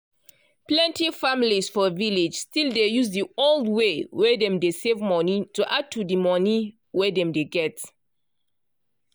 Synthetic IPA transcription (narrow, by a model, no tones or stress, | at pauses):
plɛ̃ntifamilisfɔviled͡ʒstildejuzdioldwewɛdɛ̃mdesevmɔnituʔad̚tʰudimɔni | wɛdɛ̃mdeɡɛt